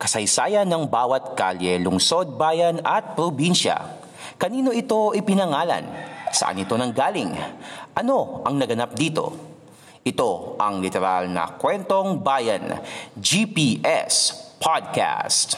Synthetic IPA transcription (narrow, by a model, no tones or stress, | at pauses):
kɐsɐjsaːjɐnːɐŋbaːwɐt̪̚kaljɛlʊŋso̞d̪̚bajɐnɐt̪̚pɾobinʃɐ̰ | kɐniːno̞ʔɪt̪o̞ʔɪpɪnɐŋaːlɐ̰nsɐ̰ʔa̰nɪt̪o̞nɐŋɡaːlɪŋʔɐno̞ʔɐŋnɐɡɐnap̚d̪iːt̪o̞̰ | ʔɪt̪o̞ʔɐŋlɪt̪ɛɾalnɐ̰kwɛnt̪o̞ŋbajɐ̰nd͡ʒipiʔɛ̰spʰad̪̚ka̰st̪